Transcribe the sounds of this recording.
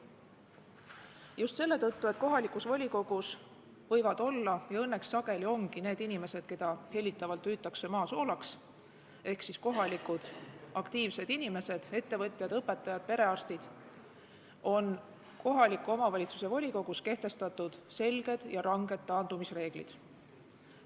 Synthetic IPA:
just̪se̞lːe̞t̪ɤt̪ːue̞t̪̚ːˑko̞ɦɑlikˑusvolʲiko̞ɡ̥us | vɤjvɑd̪̥o̞lːɑjɑɤnːe̞ksːɑɡe̞lio̞ŋɡine̞ːd̪inime̞se̞d̪̥ke̞d̪̥ɑhe̞lʲːit̪ːˑɑvɑlt̪ːyːt̪ːˑɑkse̞mɑːso̞ːlɑks | e̞hksisko̞ɦɑlikud̪̥ɑkt̪iːvse̞d̪̥inime̞se̞d̪̥e̞t̪ːe̞vɤ̞t̪ʲˑjɑd̪̥ɤpːˑe̞t̪ːˑɑjɑd̪̥̚pe̞ɾe̞ɑrst̪id̪̥ | o̞n | ko̞ɦɑlikːˑuo̞mɑvɑlʲit̪su̥se̞vo̞lʲiko̞ɡ̥uske̞ht̪e̞st̪ɑt̪ːˑud̪̥se̞lɡ̥e̞d̪̥jɑɾɑŋɡ̥e̞d̪̥ːɑːnd̪̥umisre̞ːɡ̥lḭd̪̥

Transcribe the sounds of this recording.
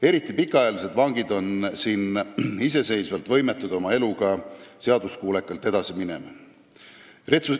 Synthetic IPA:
e̞ɾit̪ˑːipikːˑɑɑjɑlis̬e̞d̪vɑŋɡid̪o̞nsiːnis̬e̞se̞jsvɑlt̪vɤ̞jmet̪ːˑud̪̥o̞mɑe̞luɡɑse̞ɑd̪uskuːlekːˑɑlt̪ːˑe̞d̪̥ɑsimine̞̰mɑ | ret̪su

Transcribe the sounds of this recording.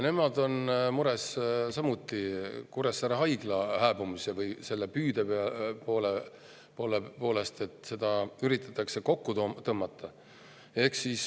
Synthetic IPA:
ne̞mɑd̪o̞nmuɾessɑmut̪ːˑikuɾesːæɾɑɦɑjɡ̥lɑhæːbumusevɯjse̞lːepyːd̪̥epeɑpoːle | po̞ːlepo̞ːle̞st̪e̞t̪ˑse̞d̪̥ɑyɾit̪ːˑɑ̥t̪ːˑɑkse̞ko̞kːut̪ot̪ɤmːɑt̪ːˑɑ | e̞hksis

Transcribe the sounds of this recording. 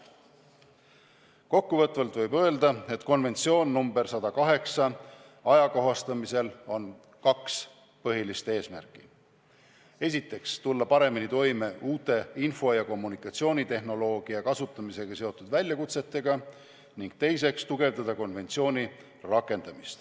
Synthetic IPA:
ko̞kːuvɤ̞t̪vɑlt̪vɤ̞jbø̞eld̪ɑe̞t̪ko̞nve̞nt̪sio̞ːnːumbe̞rsɑd̪̥ɑkɑɦe̞ksɑ | ɑjɑko̞ɦɑst̪ɑmise̞lo̞n | kɑks | pɤɦilist̪e̞ːsmæ̰rkːˑi̥ | e̞sit̪ːˑe̞kst̪ulːɑpɑɾe̞minit̪o̞jme̞ʔuːt̪ːˑe̞info̞jɑko̞mːunikˑɑt̪sio̞ːnʲit̪e̞ɦno̞lo̞ːɡ̥iɑkɑsut̪ˑːɑmise̞ɡ̥ɑse̞o̞t̪ːˑud̪̥vælʲjɑkut̪se̞t̪ːe̞ɡ̥ɑ | niŋɡ̥̚t̪e̞js̬e̞kst̪uɡe̞vd̪ɑd̪̥ɑko̞nve̞nt̪sio̞ːnʲi | rɑkːˑe̞nd̪̥ɑmist̪

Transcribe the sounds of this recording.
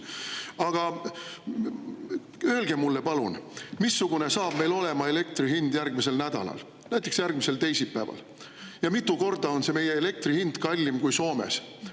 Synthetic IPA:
ɑɡ̥ɑ | øelɡ̥e̞mmːulːe̞pɑlunmisːuɡ̥une̞sɑːb̥me̞jlo̞le̞mɑe̞le̞k̚t̪riɦind̪̥jærɡ̥mise̞lnæd̪̥ɑ̰lɑ̰l | næjt̪ːˑeksjærɡ̥̚mise̞lt̪e̞jsipːæːvɑ̰l | jɑmit̪ːˑuko̞rd̪̥ɑo̞nse̞me̞je̞ele̞k̚t̪rihind̪̥kɑlʲːimkujso̞ːme̞̰s

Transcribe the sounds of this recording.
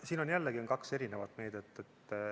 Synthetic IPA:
siːno̞njælːeɡio̞nkɑkse̞ɾinevɑt̪ˑme̞ːd̪̥et̪ːˑet̪ː

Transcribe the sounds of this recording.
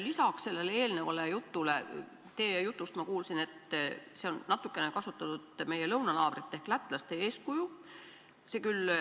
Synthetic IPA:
lisɑksse̞lːe̞lee̞ːlne̞vɑle̞jut̪ːˑule̞ | t̪e̞ːjut̪ːˑust̪mɑkuːlsine̞t̪ːse̞o̞nːɑt̪ːˑukːˑe̞ne̞kɑsut̪ːˑɑt̪ud̪me̞je̞lɤwnɑnɑːb̥rit̪ˑːe̞hklæt̪ːˑlɑst̪e̞e̞ːskuju | se̞ːkyl

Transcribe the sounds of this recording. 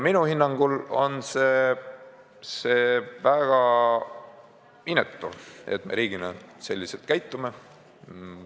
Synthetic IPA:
minuhinːɑŋɡ̥ulo̞nse | seːvæɡ̥ɑ | inːet̪ːˑṵḛt̪̚me̞̰ɾiːɡ̥inɑ̰se̞lʲːiselt̪̚kæjt̪ːˑume

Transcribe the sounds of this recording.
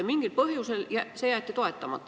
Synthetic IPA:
miŋɡ̥ilpɤhjuseljæsejæːˑt̪ʲːit̪oet̪ːɑmɑ̰t̪ːˑ

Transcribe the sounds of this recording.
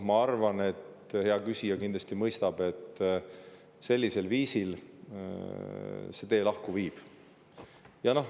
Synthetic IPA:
mɑɑrvɑne̞t̪ | he̞ɑkysʲijɑkind̪lɑst̪imɤjst̪ɑb̥e̞t̪ːˑ | se̞lʲːise̞lviːsil | se̞t̪e̞ːlɑhkuviːb̥ | jɑno̞h

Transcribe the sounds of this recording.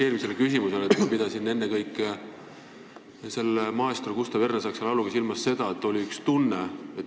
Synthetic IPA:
eːɾimis̬e̞lekysimuse̞lemid̪̥ɑsinːe̞nːekɤjkːˑ | se̞lmɑest̪orkust̪ɑvernesɑkselɑluɡɑsilmɑsːe̞d̪̥ɑe̞t̪ːˑo̞lʲiykst̪unːeet̪ː

